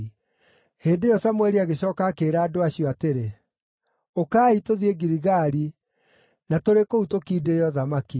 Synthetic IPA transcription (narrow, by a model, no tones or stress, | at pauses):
heːndejɔsamwɛɾiaɣeɕɔːkakeɾaːdoaɕiɔateɾe | okaːitoðieɡiɾiɣaɾi | natoɾekoutokiːdejɔðamaki